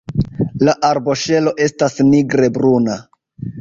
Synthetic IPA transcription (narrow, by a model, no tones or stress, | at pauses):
laʔaɾbo̞ʃe̞lo̞ʔe̞stasniɡɾe̞bɾuna